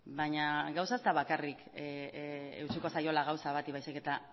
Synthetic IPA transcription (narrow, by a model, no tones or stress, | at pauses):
baɲaɡawsaezt̪aβakarik | ḛwt͡ʃiko̞sajo̞laɣawsaβat̪iβajsike̞t̪a